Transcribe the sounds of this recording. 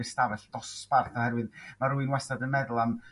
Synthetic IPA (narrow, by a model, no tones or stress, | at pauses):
ɨstavɛɬd̥̪ɔsparθɔhɛɾwɨðmaɾuɨnwɛsadənmɛðʊlˠam